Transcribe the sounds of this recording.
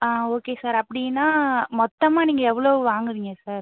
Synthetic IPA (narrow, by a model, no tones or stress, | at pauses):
aːoːkeːsaːɾɐpːɐɽɪnːaːmɔt̪ːɐmaːniːŋɡɐɛʋːɐɭoːʋaːŋɡɪɾɪŋɡɐsaːɾ